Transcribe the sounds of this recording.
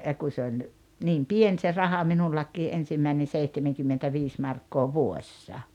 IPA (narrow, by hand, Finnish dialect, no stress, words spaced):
jɑ kun̞ se olʲ niːm pien se rɑhɑ minulːɑkːiː ʔensimːæinen̞ seihtemeŋkymːtentæʋiːs mɑrkːoː ʋuoĕsːɑ